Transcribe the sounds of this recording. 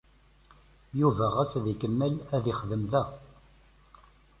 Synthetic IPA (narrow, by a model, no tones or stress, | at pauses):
juvæʁæsðikənːəlæðiχðəmðæ